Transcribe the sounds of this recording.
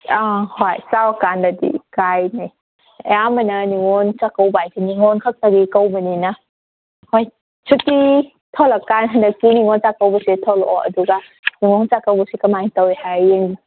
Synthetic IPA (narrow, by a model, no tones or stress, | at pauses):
ahojsawakandadḭkajnaj | ḛjamənɐniŋɔnt͡ʃakawbajkiniŋɔnkʰak̚taɡikawmənina | hɔj | sʰuti | tʰɔlakanɦandɐkːiniŋɔnt͡ʃakawbɐsetʰɔlɔ̰ɐ̰duɡa | niŋɔnt͡ʃakawbɐsikɐmajtawhajeŋ